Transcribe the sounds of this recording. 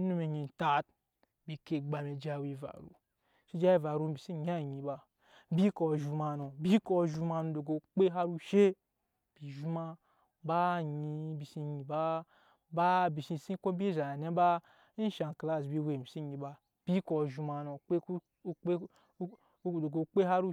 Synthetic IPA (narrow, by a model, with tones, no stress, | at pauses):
nu˦me˨ɲi˧n˨ta˦t̚ | bi˨ke˨ɡ͡ba˨me˨d͡ʒa˦˨wi˧va̰˨ɾṵ˨ | ʃi˦d͡ʒa˦i˦va˨ɾu˦bi˨si˦ɲ˦a˦˨ɲi˨ba˧ | bi˦ko˨ʒu˧ma˧no˨bi˦ko˦˨ʒu˧˦ma˧nu˧˨do˨ɡo˨k͡pe˦ɦa˦ɾu˦ʃe˦ | b̥i˨ʒu˦ma˧ | ba˦ɲi˧bi˨si˧ɲi˧ba˦ | ba˦bi˨si˧˨si˦ko˦bi˦za˨a˨ne˦ba˦ | n˦ʃa˨n˨kla˦˨s̬bi˧we˨mi˨si˦ɲi˧ba˧ | b̥i˦ko˧˨ʒu˧ma˧no˨k͡pe˦u˦ | e˦˨ | do˨ɡo˧k͡pe˦ha˦ɾu˦